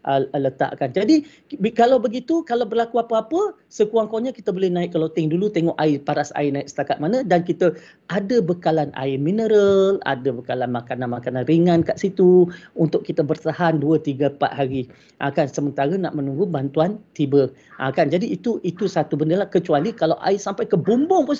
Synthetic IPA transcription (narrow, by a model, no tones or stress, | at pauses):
ʔələt̪a̰ʔkand͡ʒadi | bkalawbəɡit̪ukalawbərlakuapəapə | səkuaŋkoɲəkit̪əbolɛhnaɪʔk̚kalawt̪iŋdulut̪eŋɔʔaɪpaɾasa̰ɪnaɪʔksə̥t̪akat̪̚manə̃dankit̪ə | ʔadəbəkalana̰ɪminəɾəla̰dəbəkalanmakananmakananriŋãnkaʔsit̪uunt̪ʊʔ̚kːit̪əbərt̪ahanduət̪iɡəpa̰ʔ̪ɦaɾi | ʔa̰kansəmənt̪aɾənaʔmənũŋɡubant̪uant̪ibəʔa̰kand͡ʒadiːt̪uʔit̪usat̪ubəndəlahkət͡ʃualikalawʔa̰ɪsampajkəbumbʊŋpʊs